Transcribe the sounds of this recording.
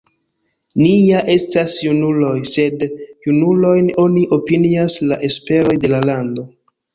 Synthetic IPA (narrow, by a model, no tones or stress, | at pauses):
nijaʔe̞stasjunulo̞jse̞djunulo̞jno̞niʔo̞piniaslaʔe̞spe̞ɾo̞jde̞lalando̞